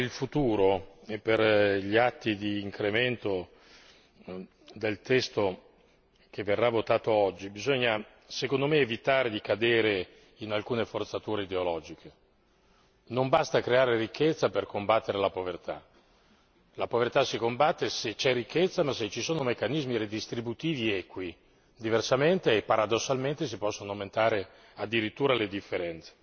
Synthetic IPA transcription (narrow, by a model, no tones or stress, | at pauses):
ilfut̪uːɾoeperʎiat̪ːid̪iːŋkɾement̪o | d̪elt̪ɛst̪o | k̟evːerːavot̪aːt̪oɔd͡ʒːibizoɲːa | sekond̪omeːvit̪aːɾed̪ikad̪eːɾe | inalkuːnefort̪sat̪uːɾeid̪eolɔːd͡ʒikʰe | nombast̪akɾeaːɾerikːet̪sːaperkombat̪ːeɾelapovert̪a̰ | lapovert̪asikombat̪ːeset͡ʃɛrikʰːet̪sːamasːet͡ʃːisoːnomekːanizmiɾed̪ist̪ɾibut̪iːviɛːkwi | d̪iversament̪eːpːaɾad̪osːalment̪es̬ipɔsːonoawment̪aːɾe | ad̪ːiɾit̪ːuːɾaled̪ifːeɾɛnt̪se̥